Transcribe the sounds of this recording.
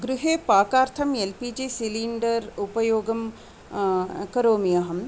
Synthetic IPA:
ɡɾuɦeːpaːkaːɾt̪ʰɐmelpid͡ʒisiliɳɖɐɾupɐjoːɡɐm | kɐɾoːmijɐɦɐm

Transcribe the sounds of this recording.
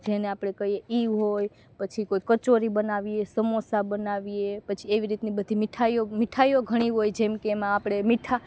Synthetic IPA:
d͡ʒeneapɽ̃ekəɦieiʋɦoj | pət͡ʃʰikoikət͡ʃoɾibənaʋiesəmosabənaʋiepət͡ʃʰieʋiɾit̪nibəd̪ʱimɪʈʰajomɪʈʰaijoɡʱəɽ̃iɦojd͡ʒemkeːmãːpɽ̃emɪʈʰa

